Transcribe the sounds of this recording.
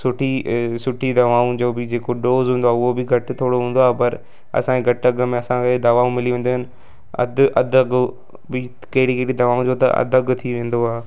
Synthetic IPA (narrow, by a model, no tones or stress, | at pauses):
sʊʈʰisʊʈʰid̪ɐʋaːũd͡ʑoːbɪd͡ʑeːkoɖoːzɦũːnd̪oaːʊɦobɪɡʱɐʈɪt̪ʰoːɽoɦũːn̆d̪oaːɦpɐɾ | ɐ̰sãeɡʱɐʈɐɡmẽɐsãkʰed̪ɐʋaːũmɪliʋẽːnd̪oɦɪnɪ̆ | ɐ̰d̪ʔɐ̰d̪ʱɐɡ | bɪ | kɐɦɪɽikɐɪɽid̪ɐʋaːũd͡ʑoːt̪ɐ̰ɐ̰d̪ɐɡt̪ʰiʋẽːn̆d̪oaː